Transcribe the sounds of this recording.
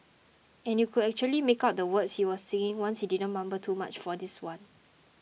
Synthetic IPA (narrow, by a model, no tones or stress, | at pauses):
ɛ̃njukʰudɛk̚t͡ʃuəlimekaʊt̚dəwətshiwɔsːẽŋɪ̃ŋwãnshididə̃nmãmbətʰuma̰t͡ʃfɔdiswãn